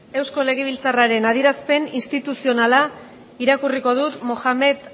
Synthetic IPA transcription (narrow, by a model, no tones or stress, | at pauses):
e̞wsko̞le̞ɣ̞eβ̞ilt͡saraɾe̞nað̞iɾaspe̞ninst̪it̪usio̞nala | iɾakuriko̞ð̞ut̪mo̞ʝame̞t̪